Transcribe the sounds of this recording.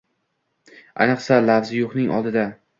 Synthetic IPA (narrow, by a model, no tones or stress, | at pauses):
a̰jnɨqsalafzɪjoχnɪŋʔɒ̰lˠd̪ɪd̪a